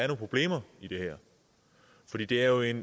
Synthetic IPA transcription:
æɐnopʰʁob̥le̝̰ːmɐid̥e̝hɛɐ̰ | fɒ̽dḭːd̥e̝æɐjo̝e̝n

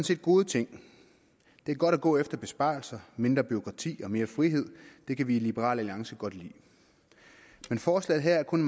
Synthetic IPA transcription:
nse̝̰ːd̥ɡ̥o̝ːðˠət͡sʰe̝ŋ̰ | d̥e̝æɐɡ̥ɒ̽ɾ̥æɡ̥ɔ̰̽ːefd̥ɐb̥e̝sb̥ɑ̰̈ːlsɐme̝nd̥ʁɐb̥yo̝kʰʁɑ̈t͡sʰḭːɒ̽me̝ːɐfʁiɦe̝ð̞̰ˠd̥e̝kʰæʋiːlib̥əʁɑ̰̈ːlæliɑ̈ŋsəɡ̥ɒ̽d̥lḭː | menfɒːslɛ̰ð̩ˠɦæɐ̰æɐkʰɔ̽n

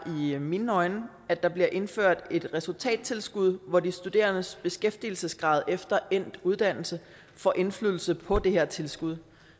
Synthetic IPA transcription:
ʔiminːɒ̽ɪnə | æd̥ɑ̈b̥liɐʔe̝nføɐ̰d̥e̝d̥ʁɛsult͡sʰɛ̰ːd̥̚t͡sʰe̝lsɡ̥uð̞̰ˠʋɒdisd̥ud̥e̝̰ːɐnəsb̥e̝sɡ̥efd̥il̩səsɡ̥ʁɑ̈ːð̞ˠefd̥ɐʔen̰d̥uð̞ˠd̥æn̰l̩sə | fɒ̽ʔe̝nflyðˠl̩səpʰɒ̽d̥e̝heɐ̰t͡sʰe̝lsɡ̥uð̞ˠ

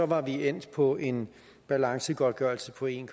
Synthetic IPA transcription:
ɒ̽ʋɑ̈ʋien̰d̥pʰɒ̽e̝n | b̥ælɑ̈ŋsəɡ̥ɒd̥̚ɡ̥œɐl̩səpʰɒ̽e̝ːnkʰ

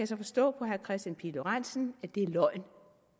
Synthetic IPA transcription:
æjæsɒ̽fɒ̽sd̥ɔ̰̽ːpʰɒ̽ɦæɐkʰʁɛsd̥jænpʰiloʁan̰sn̩æ̥d̥e̝æɐlɒ̽ɪ̰n

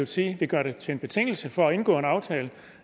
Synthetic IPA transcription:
ʊsiːʋiɡ̥ɶɐɾet͡sʰe̝e̝nb̥e̝t͡sʰe̝ŋ̰l̩səfɒ̽æe̝nɡ̥ɔ̰ːe̝nɑ̈ʊt͡sʰɛːlə

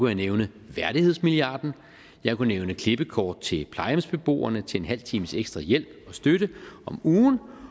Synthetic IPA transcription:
ujaneʊnə | ʋæɐɾ̥iheð̰ˠsmiliɑ̈ːd̥n̩ | jɑ̈ɪkuneʊnəkʰle̝b̥əkʰɒːd̥̚t͡sʰe̝lpʰlɑ̈ɪmsb̥e̝b̥o̝̰ːɐnət͡sʰe̝e̝nɦæl̰t͡sʰiːməseɡ̥sd̥ʁɑ̈jel̰̥ɒ̽sd̥øɾəʔɒ̽muːn

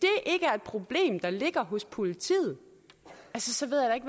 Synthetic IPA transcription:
d̥e̝ʔeɡ̥əæɐe̝d̥̚pʰʁo̝b̥le̝̰ːmd̥ɑ̈le̝ɡ̥ɐɦɔ̽spʰo̝lit͡sʰḭːð̩ˠ | ʔælsəsɒ̽ʋe̝ð̞ˠjad̥ɑe̝ɡ̥ʋ

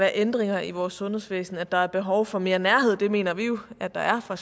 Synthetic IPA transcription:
æːɐʔend̥ʁeŋɐʔiʋɒːsːɔ̽nhe̝̰sʋḛːsn̩æd̥ɑ̈æɐb̥e̝ɦɒʊfɒ̽me̝ːɐnæɐɦe̝ð̞̰ˠd̥e̝me̝̰ːnɐʋijo̝æd̥ɑ̈ʔæɐfɑ

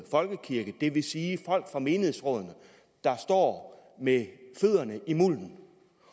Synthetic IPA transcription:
fɒ̽lɡ̥əkʰiɐɡ̥əd̥e̝ʋe̝siːfɒ̽l̰ɡ̥fʁɑ̈me̝ːnəhe̝sʁɔ̽ðˠnə | d̥ɑ̈sd̥ɒ̰ːmeføð̰ˠɐnəʔimul̰n̩

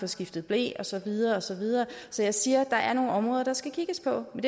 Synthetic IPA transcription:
ɒ̽sɡ̥ifd̥ð̩ˠb̥le̝̰ːɒ̽sɒ̽ʋið̞ˠɐːɒ̽sɒ̽ʋið̞ˠɐːsɒ̽jɑ̈ɪsiːɐd̥ɑ̈ʔæɐno̝ːn̩ɒ̽mʁɔ̽ːðˠɐd̥ɑ̈sɡ̥ækʰiɡ̥əspʰɒ̽mend̥

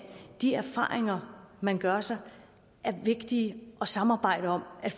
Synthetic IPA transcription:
d̥iæɐfɑ̰̈ːʁeŋɐmænɡ̥ɶɐsɑ̈ɪ | ʔæɐʋe̝ɡ̥d̥iːʔɒ̽sɑ̈mɑ̈ːb̥ɑ̈ɪ̰d̥əɒ̽mæ̥f

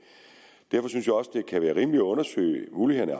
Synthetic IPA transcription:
d̥æɐfɒ̽synsjäɒ̽səd̥e̝kʰæʋæːɐʁiːməliɔ̽nɐsø̰ːɪmuːliheð̰ˠnæɐ

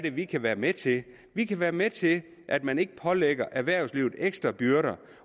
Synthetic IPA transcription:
ɾe̝ʋikʰæʋæːɐmet͡sʰe̝ | ʋikʰæʋæːɐmet͡sʰe̝l | ʔæd̥mæne̝ɡ̥əpʰɒ̽leɡ̥ɐʔæɐʋæɐ̰ʊsliʊð̩ˠeɡ̥sd̥ʁɐb̥yɐɾɐ

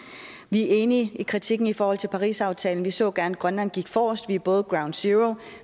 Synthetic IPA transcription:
ʋie̝ːniikʰʁit͡sʰiɡ̥n̩ifɒːhɒ̽l̰t͡sʰe̝lpʰɑ̈ʁḭːsɑ̈ʊt͡sʰɛːln̩ʋisɔ̰̽ːɡ̥æɐnæ̥ɡ̥ʁɶnlæn̰ɡ̥iɡ̥fɒːsd̥ʋiæb̥ɔ̽ːð̞̩ˠɡ̥ʁɑ̈ʊn̥siʁo

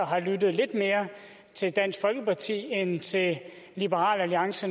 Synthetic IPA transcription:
ɐɦɑ̈lyd̥ð̩ˠle̝d̥me̝ːɐ | t͡sʰe̝ld̥æn̰sɡ̥fɒ̽lɡ̥əpʰɑ̈t͡sʰḭːent͡sʰe̝l | lib̥əʁɑ̰̈ːlæliɑ̈ŋsə

